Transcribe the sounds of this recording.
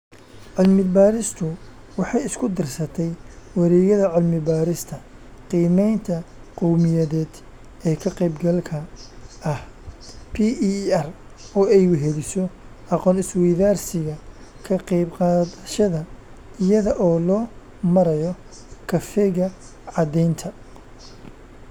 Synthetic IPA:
ʕʊlmɪbaːɾɪst̪ʰʊ | wɑħɑjɪskʰʊd̪ɪrsɐt̪ʰɛjwɑɾɛːɣɐðɐʕʊlmɪbaːɾɪst̪ʰɐqiːmɛjnt̪ʰɐqɔwmɪjɐðɛːd̪ | ɛːkʰɐqɛjbɡɐlkʰɐɐhpʰiːʔɐr | ɔːɛjʊɦɛlɪsɔ | ʔɑqɔːnɪswɛjðaːrsɪɣɐkʰɐqɑjbqɑːðɐʃɐðɐɪjɐðɐʔɔːlɔː | mɐɾɐjɔ | kʰɐfɛɣɐʕɑd̪ɛjnt̪ʰɐ

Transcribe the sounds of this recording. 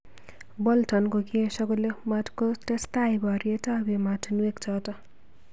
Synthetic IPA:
bʌltʰʌnkokesʌɡulematkotest̪ajbʱʌɾiet͡sʌbematʰunuekt͡sʰʌt̪ʌ

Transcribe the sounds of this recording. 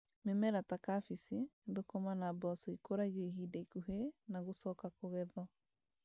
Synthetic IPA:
memɛɾatakafisiðokomanabɔsɔikoɾaɣeɦidaikuɦenaɣosɔkakoɣɛðɔ

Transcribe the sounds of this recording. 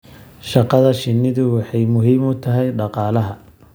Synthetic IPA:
ʃɑqɑðɐʃɪnːɪðʊwɑħɑjmʊɦiːmʊt̪ʰɐɦɛjɖɑqɑːlɐɦɐ

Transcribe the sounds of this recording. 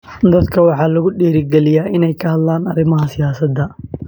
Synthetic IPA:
d̪ɐd̪kʰɐwɑħɑːlɐɣʊɖiːɾɪɡɛlɪjaːʔɪnɛjkʰɐhɐd̪laːnɐɾɪmɐɦɐsɪjaːsɐd̪ɐ

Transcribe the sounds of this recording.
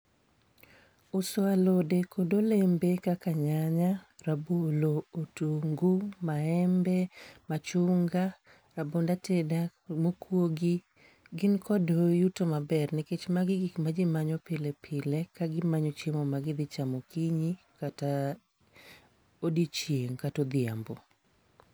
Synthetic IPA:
ʊswalodekodolembekakaɲaɲaɾabolootuŋɡumaɛmbɛmat͡ʃuŋɡa | ɾabondatedamokwoɡi | ɡɪnkɔdojutomabɛrnɪket͡ʃmaɡɪɡikmad͡ʒɪmaɲɔpɪlepʰɪlɛkaɡɪmaɲɔt͡ʃemɔmaɡɪd̪ɪt͡ʃamɔkiɲi | kata | odit͡ʃjeŋkatod̪ɪa̰mbo

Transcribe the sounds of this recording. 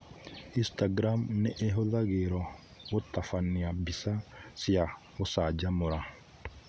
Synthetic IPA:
ʔɪst̪ɐɡɾaːmnɛʔeɦɔðɐɡeːɾɔ | wɔt̪ːɐfɐnːɪjɐbɪsɐsɪjɐ | wɔsaːd͡ʒɐmʊɾɐ

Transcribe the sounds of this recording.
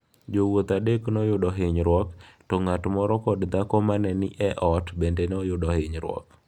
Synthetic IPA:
d͡ʒowot̪adeknɔjʊdɔɦɪɲɾwɔktɔŋatmɔɾɔkɔdd̪akɔmanɛnɪʔɛʔɔtbendenɔjʊdɔhɪɲɾwɔ̰k

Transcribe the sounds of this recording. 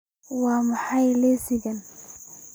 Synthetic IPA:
wɑːmɑħajlɛsɪɣɐn

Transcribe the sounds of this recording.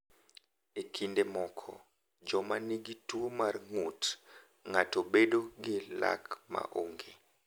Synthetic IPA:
ekʰindemɔkʰɔ̰ | d͡ʒɔmaniɡituomarŋut | ŋatobedoɡɪla̰kma̰ʔoŋɡe

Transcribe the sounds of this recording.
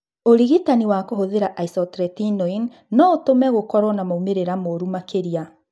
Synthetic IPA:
oɾiɣitaniwakoɦoðeɾaʔaisɔtɾɛtinɔinː | ɔotomɛɣokɔɾwɔnamoumeɾeɾamoɾumakeɾia

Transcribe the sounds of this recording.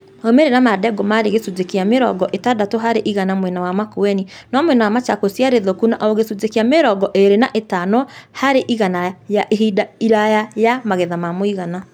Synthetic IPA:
omeɾenamadɛɡɔmaɾeɣesud͡zekeameɾɔ̰ɡɔʔetadatoɦaɾeʔiɣanamwɛnawamakoɛninɔmwɛnawamat͡ʃakosiaɾeðokunaʔɔoɣesud͡zekeameɾɔɡɔʔeɾenaʔetanɔhaɾeʔiɣanajaʔeɦidaiɾajajamaɣɛðamamoiɣana

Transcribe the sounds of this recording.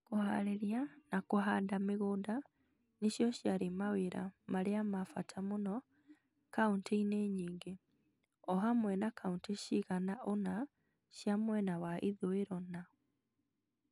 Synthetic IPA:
koha̰ɾeɾjanakoɦandameɣoːnda | neɕjɔɕjaɾemaweɾa̰maɾeamafatʰamonɔ | kaunteineɲiːŋɡe | ɔɦamwɛnakaunteʃiɣanaʔona | ɕjamwɛnawaʔiðoeɾɔna

